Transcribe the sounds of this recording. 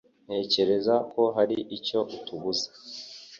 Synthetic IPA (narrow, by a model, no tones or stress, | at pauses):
n̥he̞ːce̞ɾe̞zako̞ɦaɾiʔico̞ʔutuβuzḁ